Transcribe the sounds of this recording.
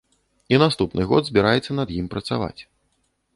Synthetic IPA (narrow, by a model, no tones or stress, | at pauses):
inast̪upnɨɣɔd̪zʲbʲiɾajɛt̪sːɐnɐd̪jimpɾɐt̪sa̰va̰t͡sʲ